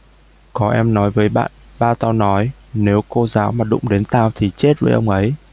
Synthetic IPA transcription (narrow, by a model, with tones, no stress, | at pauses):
kɔ˨˦ʔɛ˧mnɔ˨˦jvəː˨˦jɓa̰ː˧˨n | ɓaː˧t̪aː˧wnɔ˨˦jne˨˦wko˧zaː˨˦wmaː˨˩ɗʊ̰˧˨ŋ͡mɗe˨˦nt̪aː˧wt̪ʰi˨˩t͡ɕe˦˥t̚vəː˨˦jʔə˧wŋ͡mʔə˨˦j